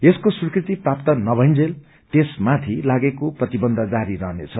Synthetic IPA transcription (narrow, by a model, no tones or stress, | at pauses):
eskosurkrit̪iprapt̪ʌnʌbʱʌjnd͡zel | t̪esmat̪ʰilaɡekoprʌt̪ibʌnd̪ʱʌd͡zaɾiɾʌɦnḛt͡sʰʌ